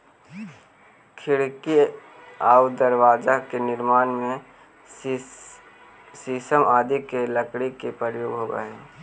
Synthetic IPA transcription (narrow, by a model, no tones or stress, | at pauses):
kʰɪɽki | aːwd̪əɾwaːd͡ʒakenɪɾmaːnmẽ | sisəmaːd̪ikeləkɽikepɾəjoːɡɦoːɡə̰ɦɛː